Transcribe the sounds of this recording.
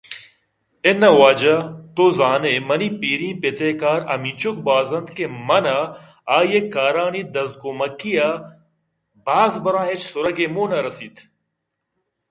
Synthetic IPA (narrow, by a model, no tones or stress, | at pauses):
enɐwaːd͡ʒɐt̪oːzaːnemɐniːpiːɾĩːpet̪eːkaːɾɐ̰mit͡ʃʊk̚baːzɐnd̪kemɐnɐ | aːjekaːɾaːnid̪ɐzd̪̚komɐkija | baːzbɐɾãːɦet͡ʃsʊɾɐɡemoːnɐɾɐsiːt̪ʰ